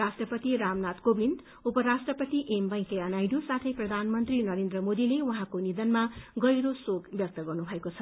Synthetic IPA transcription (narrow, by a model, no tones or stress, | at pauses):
asʈrʌpʌt̪iɾamnat̪kobʱind̪ | upʌɾasʈrʌpʌt̪iʔembʌ̃jkeanajɖusat̪ʰʌjprʌd̪ʱanmʌnt̪rinʌɾend̪rʌmod̪ilewʌɦãkonid̪ʌnmaɡʌjɾosokbjʌk̚t̪ʌɡʌrnubʱʌekot͡sʰʌ